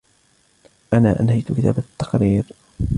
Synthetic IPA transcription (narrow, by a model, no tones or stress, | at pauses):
ʔanaːʔanhajt̪ʊkɪt̪a̰ːbat̪ːɑ̥qɾiːɾ